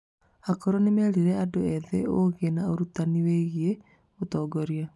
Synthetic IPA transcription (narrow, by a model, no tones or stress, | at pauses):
akɔɾɔnemɛɾiɾɛadoɛðɛoɣenaoɾutaniweɣie | otɔːɡɔɾia